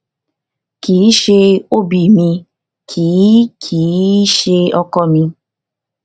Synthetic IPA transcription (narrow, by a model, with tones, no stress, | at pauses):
ki˨˦ʃe˧o˦bi˨mĩ˧ | kʰiː˨˦kʰi˨˦ʃe˧ɔ˧kɔ˧mĩ˧